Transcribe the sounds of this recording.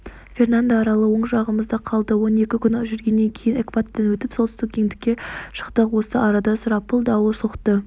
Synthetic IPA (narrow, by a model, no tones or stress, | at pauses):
fʲe̞rnand̪aːɾɑlˠəwo̞ɴʒɑʁəməzd̪ɑqʰɑlˠd̪əwo̞ne̞kʲɪkʲʏnʒʏɾɡʲe̞nːe̞ŋkʲʰe̞jɪnekvat̪t̪ːenwɵt̪ɪpsot̪əst̪ɪk̚ʲkʲʰe̞ŋd̪ɪkʲːe̞ʃə̥qt̪əqwosəʔɑɾɑd̪ɑsʊɾɑpʰːəlˠd̪ɑwəsoqt̪ə